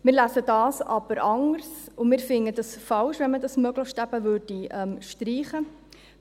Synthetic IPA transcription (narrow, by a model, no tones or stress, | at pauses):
mɪːɾlæsədɑːsɑb̥əɾʔɑŋəɾsʊmɪːɾfɪnəd̥ɑsfɑlʃʋɛnmədɑsmœɡləxʃtæb̥əvʏrdiʔɛmʃtɾiːχə